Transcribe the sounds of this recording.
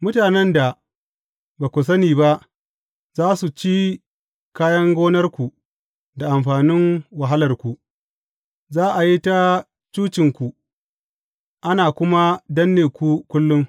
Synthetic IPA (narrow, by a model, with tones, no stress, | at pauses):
mʊ˦taː˨nɛ˦nda˨ | baː˨kʷʊ˨s̬ɐ˦niː˨ba˦ʔ | zaː˦su˨t͡ʃi˦ | kaː˦jɐ˦ŋɡʷoː˦nɐ˦rkʷu˨ | da˨ʔa˨mɸaː˨nɪ˦ŋwɐ˨ɦa˦lɐ˨rkʷu˨ʔ | zaː˦ʔa˨ji˦ta˦ | t͡ʃuː˦t͡ʃɪ˨ŋkʷu˨ | ʔa˦naː˨kʷʊ˦ma˦dɐ˦nːeː˨kʷu˦kʷʊ˦lːʊ˦ŋ